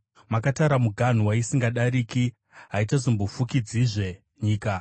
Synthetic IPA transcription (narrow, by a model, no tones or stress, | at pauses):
makataɾamuɡʱan̤uwaisiŋɡaɗaɾiːki | ɦaitazombofukid͡ziʐe̞ | ɲiːka